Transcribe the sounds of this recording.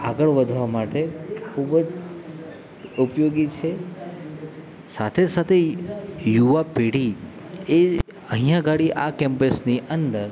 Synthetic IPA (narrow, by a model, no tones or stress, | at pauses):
a̰ɡəɭʋəd̪ʱʋamaʈekʰubd͡ʒ | upjoɡit͡ʃʰe | sat̪ʰesat̪ʰejuʋapeɽ̤i | e | əɦijãɡʱaɽiʔakɛ̃mpəsniʔənd̪əɾ